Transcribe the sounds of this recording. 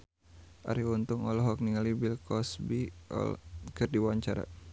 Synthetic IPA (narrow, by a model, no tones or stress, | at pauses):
ʔa̰ɾiunt̪uŋɔlɔɦɔk̚niŋalibilkɔsbḭ | kɨrdiwaɲt͡ʃaɾa̰